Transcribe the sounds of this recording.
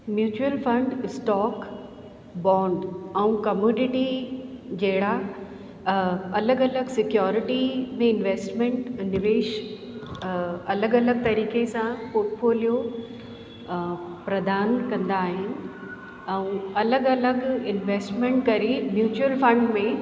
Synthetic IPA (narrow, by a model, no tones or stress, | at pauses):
mjuːt͡ɕuəlfɐ̃ɳɖɪsʈɔːk | bɔ̃ːɳɖɛ̃ũkɐmjuːnɪʈi | d͡ʑɐɦɪɽa | ɐləɡɐləɡsɪkjɔːɾɪʈimẽɪnʋeːsʈmẽɳʈnɪʋeːʃ | ɐləɡɐləɡ̚t̪ɐɾiːkesãpoːɾʈfoːlijo | pɾɐd̪aːnkɐ̃nd̪aːɦɪnɪ̆ | ɛ̃ũɐləɡɐləɡɪnʋeːsʈmẽɳʈkɐɾimjuːt͡ɕuəlfɐ̃ɳɖmẽ